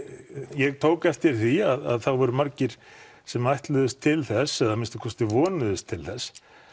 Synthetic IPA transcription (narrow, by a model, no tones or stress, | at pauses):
jɛɣt̪ʰoːwkɛft̪ɪɾ̥θiaða̰ðθawvɛɾʏmaɾcɪɾ̥ | sɛmajht̪lʏðʏst̪ʰːɪlθɛsɛðamɪnst̪ɪ̥kʰɔst̪ɪvɔːnʏðʏst̪ʰːɪlθɛs